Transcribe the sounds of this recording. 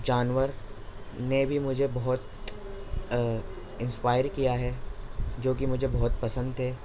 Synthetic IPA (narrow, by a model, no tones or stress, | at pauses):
d͡ʒaːnʋəɾ | nebʱimʊd͡ʒʱebɔɦɔt̪ | ɪ̃nspaːɪəɾkijaɦɛd͡ʒoːk̬imʊd͡ʒʱebɔɦʊt̪pɐsə̃nd̪ɦɛː